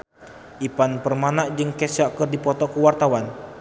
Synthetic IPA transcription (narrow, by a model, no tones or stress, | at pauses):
ʔipanpərmanaʔd͡ʒɨŋkɛsɔkərdipɔt̪ɔkəwart̪awan